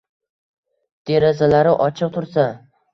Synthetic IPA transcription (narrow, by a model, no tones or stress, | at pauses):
d̪̥e̞ɾazalaɾɪʔɒt͡ʃʰɨq̚t̪ʰʊɾsa